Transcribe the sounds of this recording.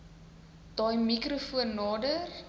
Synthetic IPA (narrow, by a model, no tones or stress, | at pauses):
d̥ɑːjmikrufuənːɑːdər